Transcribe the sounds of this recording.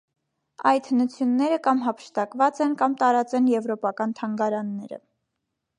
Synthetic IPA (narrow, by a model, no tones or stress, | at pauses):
ɑjt̪ʰənut͡sʰjunːɛɾəkɑmɦɑpʰə̥ʃt̪ɑkvɑt͡sɛnkɑmt̪ɑɾɑt͡sɛnjɛvɾɔpɑkɑnt̪ʰɑŋɡɑɾɑnːɛɾə̰